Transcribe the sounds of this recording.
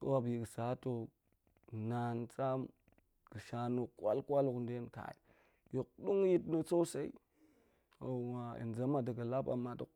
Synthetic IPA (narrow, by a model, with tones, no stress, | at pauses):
ko˦wa˦˨bji˨ɡsa˨˦to˦ | na˨nt͡sa˦m | ɡ̥ə˨ʃa˨no˨kwa̰˦lkʷa˦lku˨nde˦nka̰˨i˨ | jo˨k̚du˦ŋ˦ji˦tnə˦t͡so˦sa˦ḭ˦ | a˨wa˨ḭ˨nza˦ma˨da˨ɡa˨la˦pa̰˨mːa˨du˨k